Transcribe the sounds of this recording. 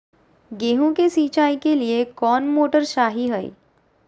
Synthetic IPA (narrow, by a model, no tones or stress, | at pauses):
ɡeːɦõkesiːt͡ʃaːikeliekɔːnmoːʈəɾʃaːɦiɦɐḭː